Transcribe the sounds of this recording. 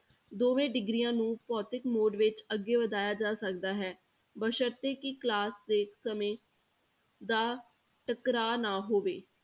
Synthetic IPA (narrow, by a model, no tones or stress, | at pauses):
d̪oːʋẽːɖɪɡɾijãːnũːpɔːt̪ɪkmoːɖʋɪt͡ʃəɡːeːʋəd̪aːjaːd͡ʒaːsəkd̪aːɦɛː | bəʃəɾt̪eːkiklaːsd̪eːksəmẽː | d̪aː | ʈəkɾaːnaːɦoːʋeː